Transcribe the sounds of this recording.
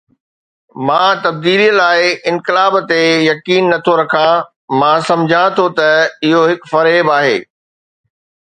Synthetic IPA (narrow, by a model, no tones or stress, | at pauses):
mãːt̪ɐb̚d̪iːliːlaːɪɪ̃nkɪlaːbt̪ejɐkiːnːɐt̪ʰoɾɐkʰa | mãːsɐ̃md͡ʑʱãt̪ʰot̪ɐɪɦoɦɪkfɐɾeːbaːɦḛː